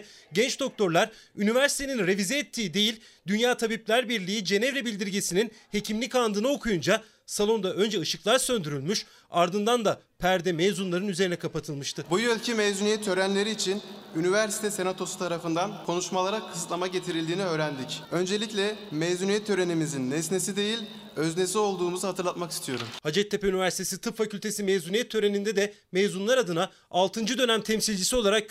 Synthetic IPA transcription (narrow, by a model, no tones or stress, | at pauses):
ɟɛnt͡ʃd̪o̞k̚t̪ʰo̞ɾlˠaɾynivæɾsi̥t̪ʰeninɾe̞vizɛːt̪ʰːiːd̪e̞jilʲ | d̪ynjaːt̪ʰabip̚lʲæɾbiɾlʲiid͡ʒe̞nɛvɾebilʲd̪iɾɟesininhe̞cʰimlʲikand̪ɯnao̞kʰujund͡ʒa | salˠo̞nd̪aʔø̞nd͡ʒɛɯʃɯklˠaɾsø̞nd̪yɾylʲmyʃ | aɾd̪ɯnd̪and̪apʰæɾd̪ɛmejzunlˠaɾɯnyze̞ɾinɛkʰapat̪ʰɯlˠmɯʃt̪ɯbujølʲcʰimejzunijɛt̪ʰø̞ɾænlʲe̞ɾiːt͡ʃʰinynivæɾsi̥t̪ʰɛse̞nat̪ʰo̞su̥t̪ʰaɾafɯnd̪ankʰo̞nuʃmalˠaɾakʰɯ̥sɯt̪lˠamaɟe̞t̪ʰiɾilʲd̪iːniø̞ːɾænd̪icø̞nd͡ʒe̞lʲiclʲɛmejzunijɛt̪ʰːø̞ɾe̞nimizinːesnesid̪e̞jilʲ | øzne̞sio̞lˠd̪uːmuzɯhat̪ʰɯɾlˠat̪maki̥st̪ʰijo̞ɾumhad͡ʒɛt̪ʰːe̞peynivæɾsi̥t̪ʰesit̪ʰɯpfacylʲt̪ʰe̞simejzunijɛt̪ʰːø̞ɾe̞nind̪ɛd̪ɛ | mejzunlˠaɾad̪ɯna | alˠt̪ʰɯnd͡ʒɯd̪ø̞næmt̪ʰɛmsilʲd͡ʒisio̞lˠaɾak̚